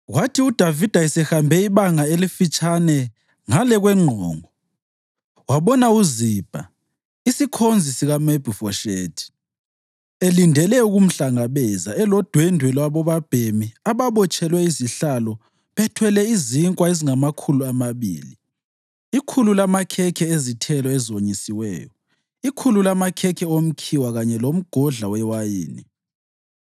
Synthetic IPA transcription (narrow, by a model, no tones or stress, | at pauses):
ɣwatʰiud̥ʱavid̥ʱaisɛxambʱɛiβaŋaelifit͡ʃʼanɛ | ŋalɛɣwɛŋ͡ǃʱɔːŋɔ | waβɔnauzib̥ʱa̰ | isikʰond͡zʱisiɣameb̥ʱifɔʃḛːtʰi̥ | elindʱɛlɛuɣum̩ɬaŋaβɛzaɛlɔd̥ʱwɛndʱwɛlwaβɔβab̥ʱemiaβaβɔt͡ʃʼɛlwɛiziɬalɔ | βɛtʰwɛlɛiziŋkʼwaeziŋamakʰuluamaβḭːlḭ | ikʰululamakʰɛkʰɛezitʰɛlɔɛzoɲisiwɛ̰ːjɔ | ikʰululamakʰɛkʰɛom̩kʰiwaɣaɲɛlom̩ɡ̥ʱɔɮawɛwajḭːnḭ